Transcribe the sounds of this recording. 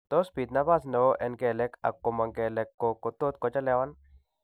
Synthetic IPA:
t̪o˦sbi˨t̪̚na˦ba˦snɛ˨wo˦ʔɛ˨nɡɛ˨lɛ˦ka̰˨kːo˨ma˨ŋɡɛ˨lɛ˨kːo˨ko˨t̪o˦t̪̚kɔ˨d͡ʒa˦lɛ˦wa˦n

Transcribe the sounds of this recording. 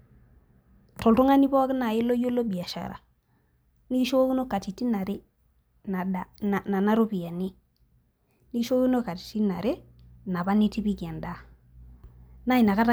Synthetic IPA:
to˨lto˦ŋa˦ni˦bo˦kna˨ji˦lo˦jo˦lo˦bi˨a˨ʃa̰˨ɾa̰˨ | ni˦i˦ʃo˦i˦no˦ka˨ti˨ti˦na˨ɾi˦ | na˨da˨na˨na˨na˦ɾo˦bi˨ja˨ni˦ | ni˦ɡʃo˦ki˦no˦ka˨ti̥˨ti˦na˨ɾe˦ | na˨ba˦ni˦ti˦bi˦ɡe˨nda˦ | na˦i˨na˨ka˦ta˦

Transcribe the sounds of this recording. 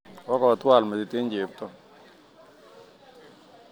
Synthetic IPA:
wɔ˦kɔ˨t̪wa˦˨lmɛ˨dɪ˨t̪ɪ˦ɲd͡ʒe˨˦p̚t̪ɔ˦

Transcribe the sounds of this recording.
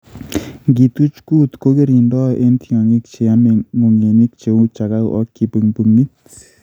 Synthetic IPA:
ŋɡi˨t̪u˦t͡ʃku˦t̪ko˦ke˦ɾi˨ndɔ˦ʔe˦ntjɔ˨ŋi˦k̚t͡ʃe˨ja˦me˨mo˨ŋe˨ni˦k̚t͡ʃe˨u˦t͡ʃa˨ka˦wɔ̰˦kːi˨pi˨ŋbu˨ŋi˦t̪

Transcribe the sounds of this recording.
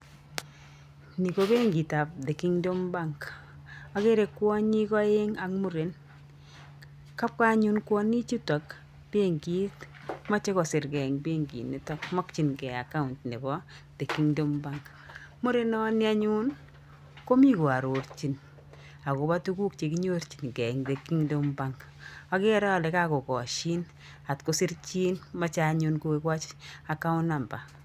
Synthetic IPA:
ni˨ko˦be˦ŋɡi˨ta˨p̚de˨ki˦ŋdo˦mbaŋk | a˨ke˦ɾe˨kːwɔ˦ɲi˦kɔ˦je˦ŋa˨kmu˦ɾe˨n | ka˦p̚ka˦ɲu˦nkwɔ˦ni˦t͡ʃi˦ta˨k | b̥e˦ŋɡi˦t | ma˦t͡ʃe˦kɔ˨sɪ˨ɾkɛ˨ŋbe˦ŋɡḭ˨ne˦tɔ˦kmɔ˦k̚t͡ʃi˨nkɛ˨aka˦ʊ˨ntne˨bɔ˦ | te˨kːi˦ŋdo˦mba˦ŋk | mo˦ɾe˦nɔ˦ni˦a˦ɲu˦n | ko˦mi˦ko˨a˨ɾo˨rt͡ʃi˨n | a˨ko˨ba˦tu˦ku˦k̚t͡ʃe˨kiɲo˦ɾt͡ʃi̥˨nkɛ˨ŋde˨ki˦ŋdo˦mba˦ŋk | a˦ke˦ɾa˦a˨lɛ˨ka˦ko˨kɔ˨ʃi˦n | a˨tko˨sɪ˦rt͡ʃi˦nma˦t͡ʃaɲu˧nku˦ke˦kwa˦t͡ʃaka˦ʊ˦na˨mba̰˨

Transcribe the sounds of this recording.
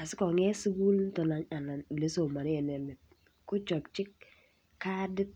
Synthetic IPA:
a˨sɪ˦kɔ˨ŋɛ˦su˦ɡu˦ltɔ˨na˨ɲa˨na˨n˨le˨˦so˨ma˨n˦ɛ˨nɛ˨mɪ˨t̚ | kʊ˦t͡ʃɔ˨k̚t͡ʃɪ˦kː | a˦dɪ˦t̚

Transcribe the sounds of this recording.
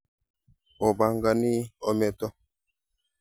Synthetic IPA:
o˨ba˨ŋɡa˨ni˦o˨mɛ˨tɔ˦

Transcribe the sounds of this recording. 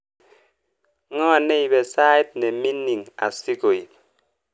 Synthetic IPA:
ŋɔ˦a˨ne˦i˨be˨sa˦i˦t̚ne˨mi˦ni˨ŋa̰˨si˦ko˨i˨p̚

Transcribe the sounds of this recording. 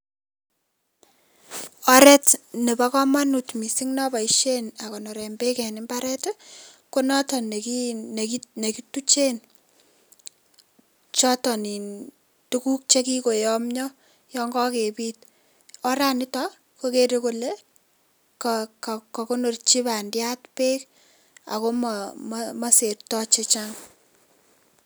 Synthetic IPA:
ɔ˦ɾɛ˦tne˨ba˦kɔ˦ma˦nu˨tmi˨si˦ŋnɔ˦ba˨iʃe˦na˨kɔ˨no˨ɾɛ˨mbe˦kɛ˨nɪ˦mba˦ɾɛ˦t | ko˦nɔ˦tɔ˨n˨ki˦ne˨kine˨ki˦tu˦t͡ʃe˦n | t͡ʃɔ˦tɔ˨ni˨n | tu˦ku˦k̚t͡ʃe˦ki˦ko˨jɔ˦mɲɔ˦ | jɔ˦ŋɡɔ˦ke˨piː˦t̚ | ɔ˦ɾa˦nɪ˦tɔ | ko˦ke˦ɾe˦ko˦le˦ | kkkɔ˨ko˦no˨rt͡ʃi˦ba˨ndja˦tpeː˦k | a̰˨ko˦mmma˦se˨rtɔ˦t͡ʃe˦t͡ʃa˦ŋ

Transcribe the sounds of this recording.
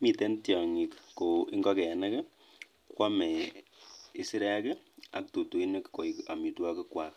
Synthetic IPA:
mi˨tɛ˦ntjɔ˨ŋi˨kko˨i˦ŋɡɔ˦kɛ˨a˨na˦kɛ˦ | kwa˦mɛ˨ | i˨si˦ɾɛ˦a˦kɛ˦ | a̰˨k̚to˨to˨i˦ne˦kko˨ika˨mi˨twa˦ke˦kwa˨k

